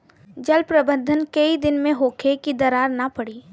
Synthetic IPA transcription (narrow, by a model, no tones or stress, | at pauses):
d͡ʒɐlpɾɐbə̃nd̪ʱənkɐid̪ɪnmẽɦoːkʰekid̪ɐɾaːɾnapɐɽiː